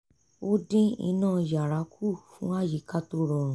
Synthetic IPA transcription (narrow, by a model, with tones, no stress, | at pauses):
o˦dĩ˦ḭ˧nãː˦˨ja˨ɾa˨˦kʰu˦˨fũ˦a˦˨ji˨˦ka˦to˦ɾɔ˨ɾũ˨